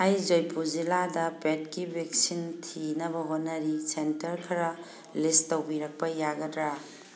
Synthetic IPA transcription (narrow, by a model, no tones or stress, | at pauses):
ɐjzojpʰuziladɐpet̚kibʱek̚sintʰinɐbɐɦot̚nːɐɾisentɐɾkʰɐɾɐ | listowbiɾɐk̚pɐjaɡɐdɾa